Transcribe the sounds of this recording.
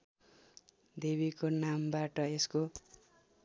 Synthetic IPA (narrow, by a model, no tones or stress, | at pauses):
d̪eβikonambaʈʌesko